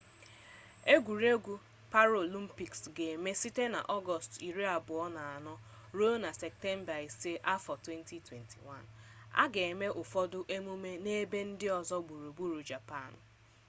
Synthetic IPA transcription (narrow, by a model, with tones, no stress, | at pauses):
e˦ɡʷu˨ɾe˦ɡʷu˨ | pa˦ɾo˨li˦m̩˦pi˨ksɡe˨me˦si˦te˦na̰˨ʔɔ˦ɡɔ˨sti˨ɾi˦a˨bʊ˨ɔ˦na˨a˨nɔ˦ | ɾo˦na˨sɛ˨k̚te˦m̩˦ba˨i˨se˦ʔa˦fɔ˨twe˦n˦tʰi˨twe˨ntʰḭ˨wa˦˨na̰˦ɡe˨e˨me˦ʔʊ˨fɔ˦dʊ˦ʔe˦mu˦me˦ne˦be˦n̩˦dɪ˦ɔ˨zɔ˦ɡ͡bu˨ɾu˨bu˦ɾu˨d͡ʒa˨pa˦˨n